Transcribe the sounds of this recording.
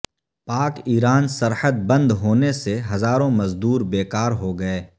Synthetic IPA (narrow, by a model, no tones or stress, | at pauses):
paːkiːɾaːnsɐɾħət̪̚bɐ̃nd̪ɦoːneseɦɐzaːɾõmɐzd̪uːɾbeːkaːɾɦoɡɐeː